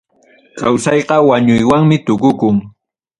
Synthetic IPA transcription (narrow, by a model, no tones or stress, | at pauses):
kawsɑjqɑwaɲʊjwaŋmɪt̪ʊkʊkʊŋ